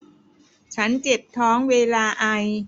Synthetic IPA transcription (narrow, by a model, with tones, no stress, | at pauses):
t͡ɕʰa˦˥nt͡ɕe˨˩p̚t̪ʰɔː˦˥ŋweː˧laː˧ʔa˧j